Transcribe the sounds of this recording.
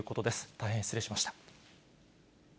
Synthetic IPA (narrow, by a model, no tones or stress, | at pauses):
ɯ̟ko̞t̪o̞d̪e̞sɨ̥t̪aihẽsɨɾe̞ɕimaɕi̥t̪ḁ